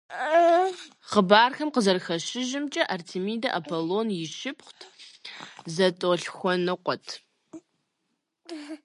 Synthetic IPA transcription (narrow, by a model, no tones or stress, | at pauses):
χəbaːrxɐmqəzɐrxɐʃɪʒɪmt͡ʃʼɐʔɐrtʰimiːdɐʔapʰoloːnjɪʃɪpχʷtʰ | zɐtʼoːɬxʷɔnɨqʷʼɔtʰ